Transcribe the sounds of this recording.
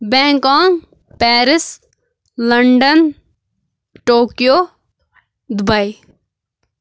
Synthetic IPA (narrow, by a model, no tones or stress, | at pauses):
bɛ̃ːŋkãːŋ | pɛːɾɪs | ləɳɖən | ʈoːkijoː | d̪ʊbai